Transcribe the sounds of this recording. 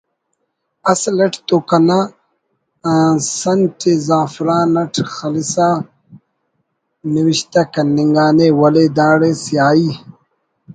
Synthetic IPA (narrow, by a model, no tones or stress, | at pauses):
ɐslɐʈʰt̪okɐna | sɐnʈizaːfɾaːnɐʈxɐlisaː | niwiɕt̪ɐkɐnːiŋɡaːnewɐled̪aːɽesjaːi